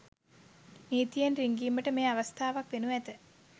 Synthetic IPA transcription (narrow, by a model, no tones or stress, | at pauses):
niːt̪ijənriŋɡiːməʈəmeːaʋəst̪ʰaːʋakʋenuæt̪ə